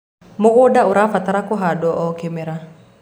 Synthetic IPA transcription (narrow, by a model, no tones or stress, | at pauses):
mokodauɾafat̪aɾakuɦadɔʔɔkemeɾa